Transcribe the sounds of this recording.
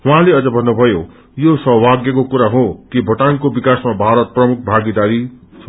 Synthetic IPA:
uɦãleʌd͡zʌbʱʌnːubʱʌjo | josʌɦbʱaɡjʌkokuɾaɦot̪ibʱʌʈankobikasmabʱaɾʌt̪̚prʌmuk̚ʰbʱaɡid̪aɾi | sʰ

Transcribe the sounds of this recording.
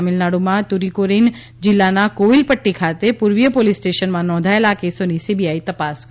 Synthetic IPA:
mɪlnaːɽumãt̪uɾikoːɾin | d͡ʒɪlːanakoːʋɪlpəʈːikʰaːt̪epuɾʋjəpoːlisːʈeːʃənmãnɔ̃ːd̪ʱaelaːkesoːnisibʱijaːit̪ɐpaːsk

